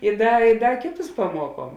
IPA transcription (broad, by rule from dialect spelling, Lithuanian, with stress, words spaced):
ɪ ˈdɐ ɪ ˈdɐ ˈkʲeːˌtʊs pɐˈmuɔˌkuɔm